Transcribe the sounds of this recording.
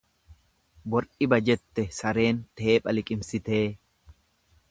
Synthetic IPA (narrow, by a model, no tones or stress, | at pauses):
bɔɾᶑɪbɐd͡ʒɛt̪ːɛsɐɾe̞ːnt̪e̞ːpʼɐlɪkʼɪmsɪt̪e̞ː